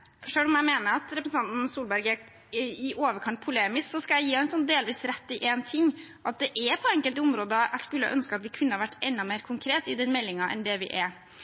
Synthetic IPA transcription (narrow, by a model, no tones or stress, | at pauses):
ʂøːlʊmæɪmeːnəɾɑt̪ɾɛpɾəsn̩ɑnt̪n̩suːlbæɾɡæɾ | ɪʔoːʋəɾkʰɑnt̪̚pʰʊleːmɪsksɔskɑljæɪjiːæɪnsɔnːd̪eːlʋiːsɾɛt̪ːɪʔeːnt̪ʰɪŋːʔɑt̪̚d̪ɛʔɛpʰɔɛŋkəlt̪ʊmɾoːd̪əæ̰ɪskʉlːəɑ̰ʔœnskəɑt̪ʋɪkʰʉnːəhɑʋæʈːɛnd̪ɑmeːɾkʰʊŋkʰɾeːt̪ɪd̪ɛnmɛlːɪŋɑʔɛ̰nd̪ɛʋɪ̰ʔɛ